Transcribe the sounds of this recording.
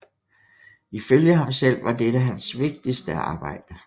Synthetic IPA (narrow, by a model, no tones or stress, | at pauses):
iføljəɦɑ̈msel̰ʋɑ̈d̥eɾæɦænsʋe̝ɡ̥̚d̥isd̥əɑ̈ːb̥ɑ̈ɪ̰d̥ə